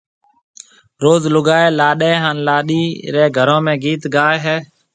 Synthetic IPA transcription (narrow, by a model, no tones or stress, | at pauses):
ɾoːzlʊɡaːeːlaːɗẽːɦaːnlaːɗiːɾeːɡʱəɾõːmẽːɡiːt̪ɡaːeɦɛː